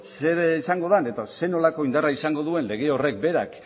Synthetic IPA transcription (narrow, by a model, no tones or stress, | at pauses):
se̞ɾsaŋɡo̞ðane̞t̪ase̞no̞lako̞ind̪araisaŋɡo̞ðue̞nle̞ɣ̞e̞o̞re̞k̚be̞ɾak